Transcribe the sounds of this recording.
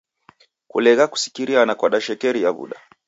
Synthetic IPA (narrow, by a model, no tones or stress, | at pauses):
kṵlɛɣaku̥si̥kiɾianakwaɗaʃɛkɛɾijaβṵɗa